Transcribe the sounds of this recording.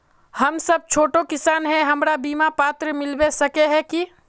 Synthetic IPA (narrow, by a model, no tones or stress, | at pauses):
hɐmsəb̚t͡ʃʰoːʈokɪsaːnɦɛ̃ɦɐmɾabiːmapaːt̪ɾəmɪlbesɐkeɦɛki